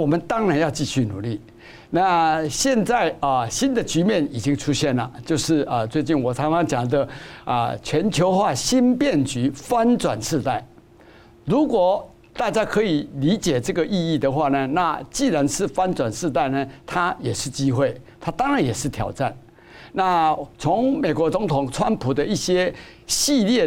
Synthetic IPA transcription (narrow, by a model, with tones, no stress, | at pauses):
wɔ˨˩mə˨˦nt̪ɑ˥ŋɻa˧˥njɑ˥˧ʊt͡ɕi˥˧ɕy˥˩nṵ˨˩˦li˥˩ | na˥˧ɕjɛ˥˧nt͡sa˥˩ɪə˩ɕi˦˥nd̪ə˨t͡ɕy˧˥mjɛ˥˩ni˨˩t͡ɕi˥ŋʈ͡ʂʰu˥ɕjɛ˥˩nlə˩t͡ɕjo˥˧ʊʂɻ̩˥˩ə˨t͡swe˥˧ɪt͡ɕi˥˩nwɔ˨˩t͡sʰa˥ŋɑ˥ŋt͡ɕjɑ˨˩ŋd̪ə˦ə̰˨t͡ɕʰɥɛ˧˥nt͡ɕʰjo˧˥ʊxwa˥˩ɕi˦˥npjɛ˥˩nt͡ɕy˧˥fa˦nt͡swa˨˩nʂɻ̩˥˧t̪a˥˩ɪ | ɻu˧˦˥kwɔ˨˩ | t̪a˥˧t͡ɕja˥kʰɤ˧˥i˨˩li˨˧˥t͡ɕjɛ˨˩ʈ͡ʂɤ˥˩ɡə˩ʔi˥˧i˥˩d̪ə˨xwa˥˩nə˩na˥˧t͡ɕi˥˩ɻa˧˦nʂɻ̩˥˩fa˥˦nt͡swa˨˩nʂɻ̩˥˧t̪̬a˥˩ɪnə˩t̪ʰa˥jɛ˨˩ʂɻ̩˥˩t͡ɕi˥xwe˥˩ɪt̪ʰa˥t̪ɑ˥ŋɻa˧˦njɛ˨˩ʂɻ̩˥˩t̪ʰjɑ˨˩ʊʈ͡ʂa˥˩n | na˥˨t͡sʰo˧˥ŋmẽ˨˩ɪkwɔ˧˥t͡so˧˥ŋt̪ʰʊ˨˩ŋʈ͡ʂʰwa˦npʰu˨˩d̪ə˦i˥˩ɕjɛ˥ɕi˥˧ljɛ˥˩